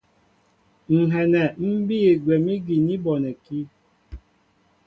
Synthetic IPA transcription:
ŋ̩˨ɦɛ˨nɛ˨m̩˦bi˦e˨ɡwɛ˨mi˦ɡi˨ni˦bɔ˨nɛ˨ki˦

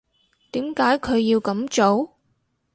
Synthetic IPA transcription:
t̪iː˨˥mkaː˨˥jkʰɵ˨˧ɥjiː˧wkɐ˨˧˥mt͡ʃo˨˥w

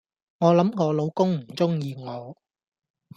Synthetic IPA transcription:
ŋɔː˨˧lɐ˨˥mŋɔː˨˧lo˨˧wkʊ˥ŋm̩˨˩t͡sʊ˥ŋjiː˨˧ŋɔː˨˧

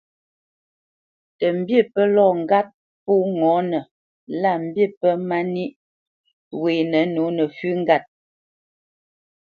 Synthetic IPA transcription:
tə˨m̩˦bje˦˨pə˦lɔ˦˨ŋ̩˨ɡa˦t̚ | pu˦˨ŋɔ˨˦nə˨ | la˦˨m̩˨bje˦˨pə˦ma˦ni˦ʔ | we˨nə˨˦no˨˦nə˨fʉ˦ŋ̩˦ɡa˦˨t̚

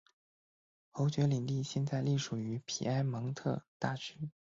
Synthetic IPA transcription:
xo˧˥ʊt͡ɕɥɛ˧˥li˨˩ŋt̪i˥˧ɕjɛ˥˧nt͡sa˥˧ɪli˥˩ʂu˨˩y˧˥pʰḭ˨˩a˥ɪmɤ˧˥ŋt̪ʰɤ˥˧t̪a˥˩t͡ɕʰy˥

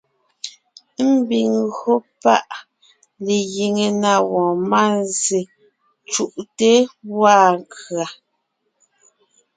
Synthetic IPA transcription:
m̩˦bi˨ŋɣo˦pa˦ʔ | le˨ɣi˨ŋe˨na˨wɔ̃ː˨ma˦˨nze˨ | t͡ʃu˦˨ʔte˦wa˦˨ŋkɰa˨

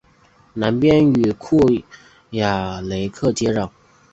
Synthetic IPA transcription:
na˧˥npjɛ˥ny˨˩kʰu˥˩ | ja˨˩le˧˥ɪkʰɤ˥˨t͡ɕjɛ˥ɻɑ˥˩ŋ

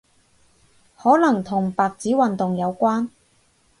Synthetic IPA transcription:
hɔː˨˥lɐ˨˩ŋt̪ʰʊ˨˩ŋpaː˨˩k̚t͡siː˨˥wɐ˨nt̪ʊ˨ŋjɐ˨˧wkʷaː˥n

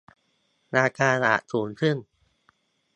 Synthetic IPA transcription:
ɾaː˧kʰaː˧la̰˨˩suː˩˦npʰɯ˥˩əŋ

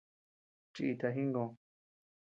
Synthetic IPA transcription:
t͡ʃi˧ʔi˧t̪a˧ɦĩ˦ŋɡõ˧

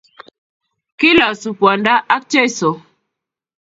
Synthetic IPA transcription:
ki˦la˨su˨pwa˨nda˦ʔa˦k̚t͡ʃɛ˦˨sɔ˨

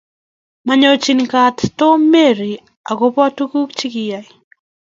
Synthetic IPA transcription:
maɲɔt͡ʃi˨nkatto˦me˦ɾi˨ | a̰˨ɡo˦pɔ˦a˦tuku˦kt͡ʃi˦kɪja˨j

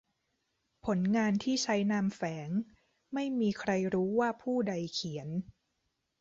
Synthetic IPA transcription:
pʰo˩˦nŋaː˧nt̪ʰiː˥˩t͡ɕʰa˦˥jnaː˧mfɛː˩˦ŋ | ma˥˩jmiː˧kʰɾa˧jɾuː˦˥waː˥˩pʰuː˥˩da˧jkʰi˩˦ən

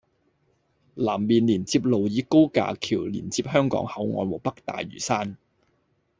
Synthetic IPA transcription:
laː˨˩mːiː˨˩nliː˨˩nt͡siː˧p̚lo˨˩wjiː˨˧ko˥wka̰ː˨kʰiː˨˩wlḭː˨˩nt͡siː˧p̚hœː˥ŋkɔ̰ː˨˥ŋhɐ˨˥wŋɔː˨˧nwɔː˨˩pɐ˥k̚t̪a̰ː˨jɥy̰ː˨˩saː˥n

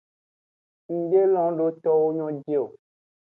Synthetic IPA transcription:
ŋ̩˨ɖe˦lɔ̃˦ɖo˦t̪ɔ˦wo˦ɲɔ̃˦d͡ʒe˦˨o˨

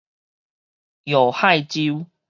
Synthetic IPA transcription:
jo˨˩ha˥˧jt͡ɕi˦w

